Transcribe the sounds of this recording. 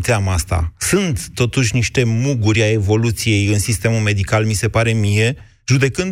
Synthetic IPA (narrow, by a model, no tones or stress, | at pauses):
t̪eamast̪a̰sunt̪ːo̞t̪uʃ̬ʲniʃt̪e̞muɡuɾʲae̞vo̞lut̪sije̞jɨnsist̪e̞mulme̞d̪ikalmise̞paɾe̞mije̞ | ʒud̪e̞kɨnd̪